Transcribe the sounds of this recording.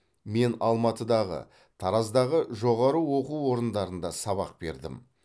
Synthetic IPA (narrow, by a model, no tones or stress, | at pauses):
me̞nɑlˠmɑt̪əd̪ɑʁə̰ | t̪ʰɑɾɑzd̪ɑʁəʒo̞ʁɑɾəwo̞quwwo̞ɾənd̪ɑɾənd̪ɑsɑβɑ̰q̚b̥e̞̰ɾd̪ɪ̰m